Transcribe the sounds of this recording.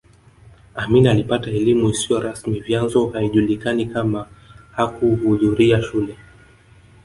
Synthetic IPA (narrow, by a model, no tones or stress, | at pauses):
aminialipataɛlimuisijɔɾasmivjanzɔhaiʄulikanikamahakuhuðuɾiaʃulɛ